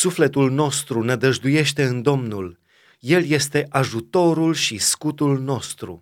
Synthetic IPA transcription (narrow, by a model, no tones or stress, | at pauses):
sufle̞t̪ulno̞st̪ɾunəd̪əʒd̪uje̞ʃt̪e̞ɨnd̪o̞mnul | je̞lje̞st̪e̞ʔaʒut̪o̞ɾulʃiskut̪ulno̞st̪ɾṵ